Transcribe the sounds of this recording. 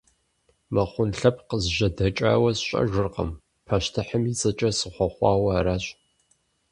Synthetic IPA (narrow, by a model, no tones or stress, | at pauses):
mɐχʷʊnɬɐp̚ʰqəzʒɐdɐt͡ʃʼa̰ːwɐsɕʼɐ̰ʒʷɪrqə̰m | pʰɐʃtʰɨħəmit͡sʼɐt͡ʃʼɐsɨχʷɔχʷɑːwɐːɾaːɕʼ